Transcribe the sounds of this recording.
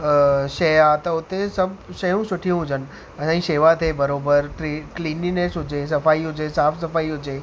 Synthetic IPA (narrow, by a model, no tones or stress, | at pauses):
ʃejat̪ɐʊt̪esɐbʃɐjũsʊʈʰijũɦʊd͡ʑən̆ | ɐsãiseːʋat̪ʰebɐɾoːbəɾikliːninesɦʊd͡ʑes̬ɐfaːiɦʊd͡ʑesaːfsɐfaːiɦʊd͡ʑeː